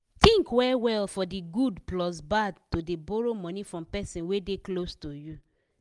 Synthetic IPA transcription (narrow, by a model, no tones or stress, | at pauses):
tĩŋkwɛwɛlfɔdiɡudplɔsbadtodebɔɹomɔ̃nifɹɔ̃mpɛsĩnwedeklostoju